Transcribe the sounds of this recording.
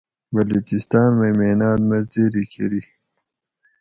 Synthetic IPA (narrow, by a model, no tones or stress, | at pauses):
bɐluːt͡ɕist̪aːnmemeːnaːd̪mɐzd̪eɾikʰeɾi